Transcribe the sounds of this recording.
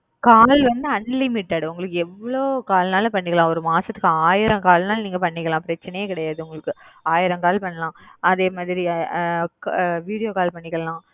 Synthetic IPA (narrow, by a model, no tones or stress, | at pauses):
kaːlʋɐnd̪ɯɐnlɪmɪʈːaːɽʊŋɡɐɭɯkːɯɛʋːɐɭoːkaːlnaːlpɐɳːɪkːɐlãːɔɾɯmaːsɐt̪ːɯ̥kːɯaːjɪɾɐ̃ŋkaːlnaːlniːŋɡɐpɐɳːɪkːɐlãːpɪɾɐt͡ʃːɐnɐjɐkɪɽɐjaːðɯʊŋɡɐɭɯkːɯaːjɪɾɐ̃ŋkaːlpɐɳːɐlãːɐðeːmaːðɪɾi | kʋiːɽɪjoːkaːlpɐɳːɪkːɐlãː